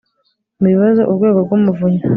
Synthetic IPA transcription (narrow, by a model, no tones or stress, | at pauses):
miiβazḛʔubɡeːɡobɡumuvuɲa